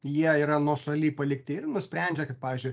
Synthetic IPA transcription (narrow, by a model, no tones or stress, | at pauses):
jiɛiːɾɐnuɔʃɐlʲiːpɐlʲɪkt̪ʲɪɪrnʊsʲpʲɾʲænʲd͡ʒʲɛkɐt̪̚pɑːʋʲiːzʲd͡ʒʲʊɪ